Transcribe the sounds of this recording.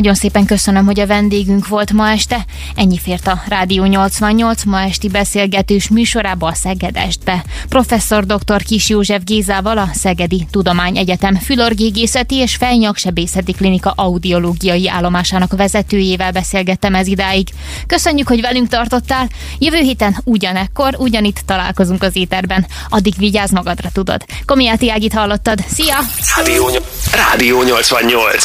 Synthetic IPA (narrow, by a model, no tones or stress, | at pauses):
ɒɟo̞nseːpɛŋkø̞sønømɦo̞ɟɒvɛnd̪eːɡyŋkʋo̞lt̪mɒɛʃt̪ɛ | ɛɲːifeːrt̪ɒraːd̪ijoːɲo̞lt̪sʋɒɲːo̞lt̪smɒɛʃt̪ibɛseːlɡɛt̪øːʃmyːʃo̞ɾaːbɒːsɛɡɛd̪ɛ̰ʒd̪̚bɛ | pro̞fɛsːo̞rd̪o̞kt̪o̞rkiʃjoːʒɛvɡeːzaːvɒlɒsɛɡɛd̪it̪ud̪o̞maːɲɛɟɛt̪ɛmfylo̞rɡeːɡeːsɛt̪ieːʃfɛjɲɒkʃɛbeːsɛt̪iklinikɒʔɒud̪io̞loːɡijɒjia̰ːlːo̞maːʃaːnɒkvɛzɛt̪øːjeːvɛlbɛseːlɡɛt̪ːɛmɛzid̪aːjiɡ | kø̞søɲːykho̞ɟvɛlyŋkt̪ɒrt̪ot̪ːaːl | jøvøːɦeːt̪ɛnuɟɒnɛkːo̞ruɟɒnit̪ːɒla̰ːlko̞zuŋkɒzeːt̪ɛrbɛn | ɒd̪ːiɡviɟaːzmɒɡɒd̪rɒt̪ud̪o̞̰d̪̥ | ko̞mijaːt̪iaːɡit̪hɒlːo̞t̪ːɒd̪sijɒd̪ijoːɲraːd̪ijoːɲo̞lt̪sʋɒɲːolt̪s